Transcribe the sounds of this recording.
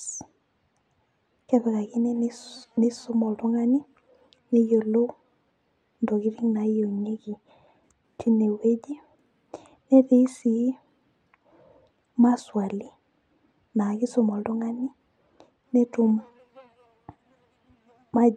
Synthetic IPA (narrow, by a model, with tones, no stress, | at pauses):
kɛ˦ðɛ˨ka˨ki˦nɛ˦ne˦sʊ˦mɔ˨ldu˦ŋa˦ni˦ | nɛ˦jo˨lo˦ | ndɔ˨ki˦ɾi˦ŋna˨˦jo˨ɲe˦ki˨ | tʰi˦ne˨we˦d͡ʒi˦ | nɛ˦ðe˦si˨˦ | ma˦swa˨li˨ | na˨ki˦sʊ˨mɔ˨ldu˦ŋa˦ni˦ | nɛ˦tu˦m | ma˦